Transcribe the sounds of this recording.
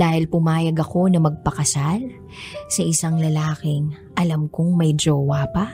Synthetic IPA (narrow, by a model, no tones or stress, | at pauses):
d̪aːhɪlpʊmaːjɐɡɐko̞nɐmɐɡ̚pɐkɐsal | sɐʔɪsaŋlɐlaːkɪŋ | ʔɐlamkʊŋmɐjd͡ʒoːwapɐ